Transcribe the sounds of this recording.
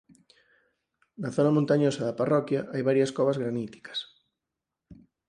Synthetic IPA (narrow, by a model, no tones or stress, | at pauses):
naθonamõnt̪aɲosaðaparɔkjaʔajβaɾjaskoβazɣɾanit̪i̥kḁs